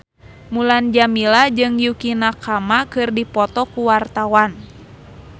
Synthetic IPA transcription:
muland͡ʒamilad͡ʒɨŋjukinakamakɨrdipɔt̪ɔkuwart̪awan

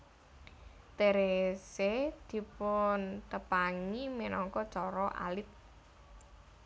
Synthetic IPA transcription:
t̪eɾesed̪̥i̤pʊnt̪əpaŋiminɔŋkɔt͡ʃɔɾɔʔa̰lɪt̪̚

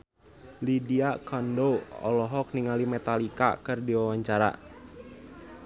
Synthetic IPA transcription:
lidiakʰɔndoɔ̰lɔɦɔk̚niŋalimɛt̪alika̰kɨrdiwawaɲt͡ʃaɾa̰

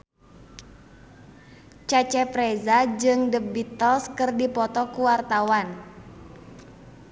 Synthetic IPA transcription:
t͡ʃat͡ʃɛpɾɛzad͡ʒɨŋdəbit̪ɔlskɨrdipɔt̪ɔkuwart̪awan

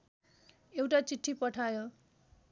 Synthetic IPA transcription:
ewʈat͡siʈʰːipʌʈʰajo

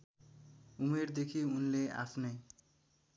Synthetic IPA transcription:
umeɾd̪ekʰiunlea̰pʰne

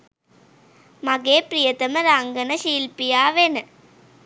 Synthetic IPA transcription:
mɐɡeːpɾijɐt̪ɐmɐɾaːŋɡɐnɐʃiːlpijaːʋenɨ

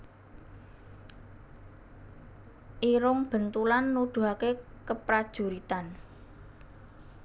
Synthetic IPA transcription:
ʔiɾʊŋb̥ə̤nt̪ulanːud̪̥ṳɦakekəpɾad̥ʒ̥ṳɾit̪an

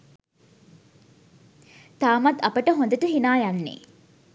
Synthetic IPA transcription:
t̪aːmɐt̪ɐpəʈəɦond̪əʈəɦinaːjanːḛː

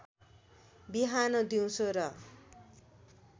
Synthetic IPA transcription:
biɦanʌd̪iw̃sʰoɾʌ

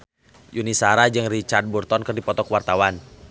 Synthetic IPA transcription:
junisaɾad͡ʒɨŋrit͡ʃard̪̚burt̪ɔnkɨrdipɔt̪ɔkwart̪awan

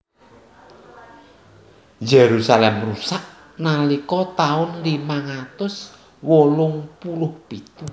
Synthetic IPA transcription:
d͡ʒeɾusalɛmrusaʔ | nalikɔt̪aʊnlimaŋat̪ʊs | wolʊŋpulʊhpit̪u

